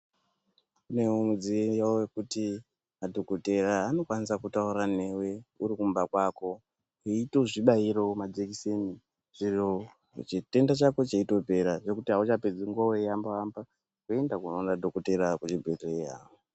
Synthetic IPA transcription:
kune̞omud͡ziejaowekuti | madʱo̞kote̞raːno̞kwanisakutauɾane̞we̞uɾikumbakwako̞ | ɦeito̞ʐiɓaiɾo̞mad͡ʒekiseni | ʐ̥iro | t͡ʃite̞ndat͡ʃako̞t͡ʃeito̞pe̞ɾaʐe̞kutiɦaut͡ʃaped͡ziŋɡuawejambaamba | kuendakunonadʱokote̞ɾakut͡ʃibʱeteiɦa̰ːwo

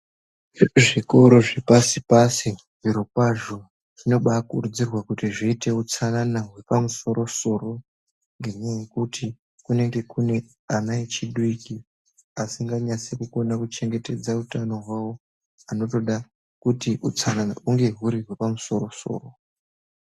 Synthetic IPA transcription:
ʐiriʐiko̞ɾo̞ʐepasipasi | ʐ̥iɾokwaʒo | ʐ̥ino̞ɓakurud͡zirwakutiʐiite̞ut͡sananaɦwe̞pamuso̞ɾo̞so̞ro̞ | ŋɡeɲejekuti | kune̞ŋɡe̞kune̞ | anaet͡ʃiɗuiki | asiŋɡaɲasekuko̞nakut͡ʃe̞ŋɡe̞te̞d͡zautano̞ɦwawo̞ | ano̞to̞ɗa | kutiʔut͡sanana̰uŋɡe̞ɦuɾiɦwe̞pamuso̞ro̞so̰ːro̞

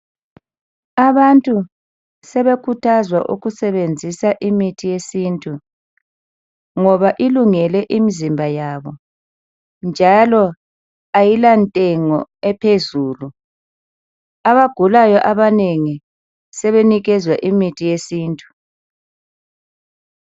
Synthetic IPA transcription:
aβantʼu | sɛβekʰutʰazwa̰ʔṵɣusɛβend͡zʱisaʔimitʰijesintʼu | ŋɔβaʔiluŋɛlɛʔimizimbʱajaβɔ | nd͡ʒʱalɔ | ajilantʼɛŋɔ̰ɛpʰezuːlu | aβaɡ̥ʱulajɔʔaβaneŋi | sɛβeniɣɛzwaʔimitʰijesiːntʼu̥

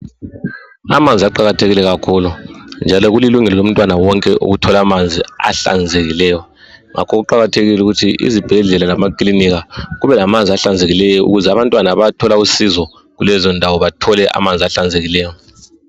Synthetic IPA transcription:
a̰mand͡zʱiaǃaɣatʰeɣilɛɣakʰuːlund͡ʒʱalɔɣuliluŋɛlɔlom̩tʼwanawɔŋkʼɛʔṵɣutʰɔlamand͡zʱia̰ɬa̰nd͡zʱeɣilɛːjɔ | ŋakʰɔɣuǃaɣatʰeɣilɛuɣutʰiḭzib̥ʱɛɮɛlalamakʼliniɣaɣuβɛlamand͡zʱiaɬand͡zʱeɣilɛjɔṵɣuzɛaβantʼwanaβatʰɔlausizɔ | ɣulɛzɔndʱawɔβatʰɔlɛʔa̰mand͡zʱiaɬand͡zʱeɣilɛːjɔ

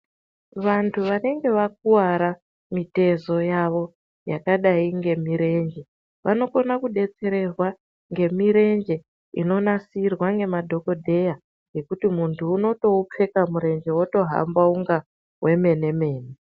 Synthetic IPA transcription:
ʋantʰuʋane̞ŋɡe̞ʋak̚uwaɾa | mite̞zo̞jaʋo̞ | jakaɗaiŋɡe̞miɾe̞nd͡ʒe̞ | ʋʔa̰no̞ko̞nakuɗe̞t͡se̞ɾe̞rwa | ŋɡe̞miɾe̞nd͡ʒe̞ | ḭno̞nasirwaŋɡe̞madʱo̞ko̞dʱe̞ja | ŋɡe̞kutimuntʰuːno̞to̞up͡fe̞kamuɾe̞nd͡ʒe̞woto̞ɦa̰mbauŋɡa | wʔe̞me̞ne̞me̞ːne

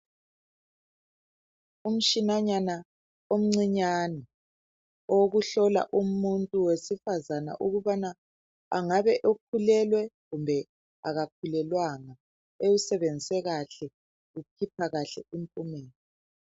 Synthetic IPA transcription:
um̩ʃinaɲana | om̩ŋ͡ǀiɲanɛ | oɣuɬɔla̰ʔumuntʼuwesifazana̰ʔuɣuβana | a̰ŋaβɛʔokʰulɛlwɛɣumbʱɛ | a̰ɣak̚ʰulɛlwaŋa | ewusɛβend͡zʱisɛɣaɬɛ | ɣupʰipʰaɣaɬɛ̰impʼumeːni

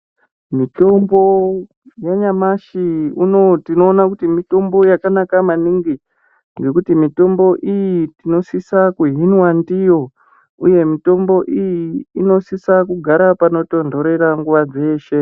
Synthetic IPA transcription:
mito̞mbo̞ | jaɲamaʃiunotino̞ːnakutimito̞mbo̞jakanakamaniŋɡi | ŋɡe̞kutimito̞mbo̞ʔijitino̞sisakuɦinwandijo̞ | uje̞mito̞mbo̞ʔijiːno̞sisakuɡʱaɾapano̞to̞ndʱo̞ɾe̞ɾaŋɡuʋad͡ze̞ːʃe̞

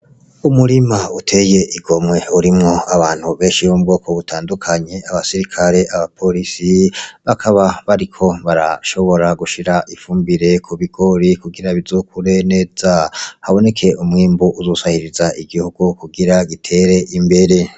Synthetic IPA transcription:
umuɾimautʰe̞je̞ʔiɡo̞mŋe̞uɾimŋo̞aβaːn̥huβe̞ːnʃijomubɡo̞ːkʰo̞βutʰaːndukʰaɲe̞aβasiɾikʰaɾe̞aβapʰo̞ɾisiβakʰaβaβaɾikʰo̞βaɾa̰ʃo̞βo̞ɾaɡuʃiɾaʔifuːmbiɾe̞kʰuβiɡo̞ɾikuɡiɾaβizoːkʰuɾe̞ne̞ːz̥ahaβo̞ne̞kʰe̞umŋiːmbuuzosahiɾizaʔiɡihuɡ̥ukuɡiɾaɡitʰe̞ːɾe̞ʔimbe̞ɾe̞

